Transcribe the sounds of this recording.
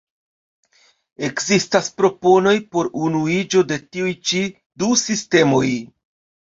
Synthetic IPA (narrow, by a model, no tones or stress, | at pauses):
e̞kzistaspɾo̞po̞no̞jpo̞ɾunuid͡ʒo̞de̞tiujt͡ʃi | dusiste̞mo̞j